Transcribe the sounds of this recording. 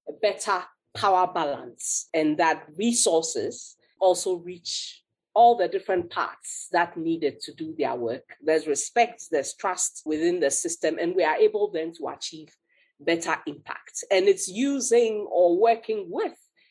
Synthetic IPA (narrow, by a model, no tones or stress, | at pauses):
bɛtʰə | pʰaʊə˞balə̰̃nsɨ̃nðət̚ɹisɔɹsɪ̰z̥ | ɔlˠsoɹit͡ʃ | ɔlˠðədɪfɹə̃npʰa̰ɹtsðətⁿnidɨd̚tʰuduðə̰wɜkðɛzɹɪspɛk̚tðɛz̥tʰɹ̥astwɪðɪ̃nðəsɪstɨ̃mʔɨ̃nwiəʔebl̩ˠðɛ̃mtʰəa̰t͡ʃʰiːv | bɛtʰəʔɪ̃mpʰæ̰k̚tɨ̃nɪtsjuzɪ̃ŋəwɜ˞kʰɪ̃ŋwɪð̥